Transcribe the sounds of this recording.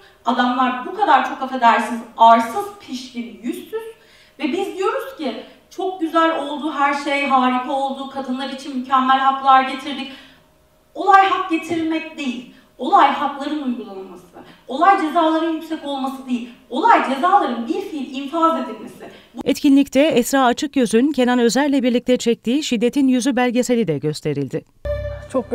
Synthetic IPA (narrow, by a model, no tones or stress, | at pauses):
ad̪amlˠaɾbukʰad̪aɾt͡ʃʰo̞kafe̞d̪æɾsinizaɾsɯz̥pʰiʃbinjyst̪ʰyz̥ | vɛbizd̪ijo̞ɾuz̥ci | t͡ʃʰo̞k̚ɟyzælʲo̞lˠd̪uːɦæɾʃe̞jɦaːɾikʰao̞lˠd̪uːkʰad̪ɯnlˠaɾit͡ʃʰinmycʰɛmːælʲɦaklˠaɾɟe̞t̪ʰiɾd̪ic | o̞lˠajhak̚ɟe̞t̪ʰiɾmɛc̚d̪e̞jilʲ | o̞lˠajɦaklˠaɾɯnujɡulˠanamasɯ | o̞lˠajd͡ʒe̞zaːlˠaɾɯnjycsɛco̞lˠmasɯd̪e̞jilʲo̞lˠajd͡ʒe̞zaːlˠaɾɯnbiɾfilʲinfaze̞d̪ilʲme̞sɪbɛt̪cʰinlʲict̪ʰɛɛsɾaːat͡ʃʰɯkjøzyncʰe̞nʲanø̞zælʲlʲɛbiɾlʲic̚t̪ʰɛt͡ʃʰɛc̚t̪ʰiːʃid̪ːe̞t̪ʰinjyzybæɾʲɟe̞se̞lʲid̪ɛɟø̞st̪ʰe̞ɾilʲd̪ɪ | t͡ʃʰok̚